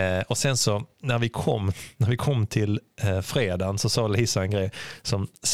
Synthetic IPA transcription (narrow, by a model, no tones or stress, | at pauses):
ɔsɛnsɔnæɾvɪkʰɔmːnæɾvɪkʰɔmːt̪ʰɪlfɾeːd̪ansɔsɑːliːsaɛnɡɾɛjsɔms